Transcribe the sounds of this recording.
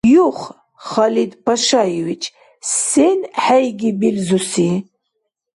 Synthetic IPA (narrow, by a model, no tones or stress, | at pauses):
juχ | χalid̪pʰaʃajiwit͡ʃʰʼ | senħajɡibilzusi